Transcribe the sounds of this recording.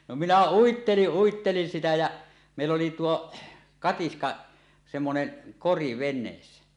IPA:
no minæ uitːeliʔ ʔuitːelin sitæ jæ meˑilː oli tuo kɑtiskɑ semːonen kori ʋenˑeːsːæ

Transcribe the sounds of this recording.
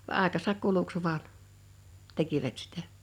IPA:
ʋɑ ʔɑˑekɑsɑk kuluks ʋɑːn tekiʋæt sitæ̥

